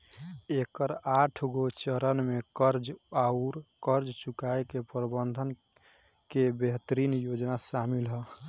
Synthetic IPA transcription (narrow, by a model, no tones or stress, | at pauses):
ekəɾaʈʰɡot͡ʃəɾənmekəɾd͡ʒauɾkəɾd͡ʒt͡ʃukaekepɾbənd̪ʱən | kebeɦt̪ɾinjod͡ʒnasamilɦə